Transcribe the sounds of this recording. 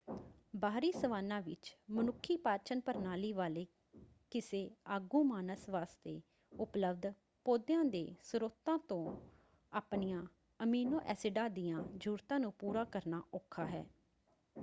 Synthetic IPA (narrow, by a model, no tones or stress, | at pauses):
baːɾiːsəʋaːnãːʋɪ̰t͡ʃmənʊkʰːiːpaːɾt͡ʃənpəɾnaːliːʋaːleː | kɪseːaːɡũːmaːnəsʋaːst̪eː | ʊpləbd̪ | poːd̪jãːd̪ḛːsʊɾoːt̪ãːt̪õː | aːpnijãː | əmiːnoːʔɛːsɪɖaːd̪ɪjãːd͡ʒuːɾt̪ãːnũːpuːɾaːkəɾnaːʔokʰːaːɦɛ̰ː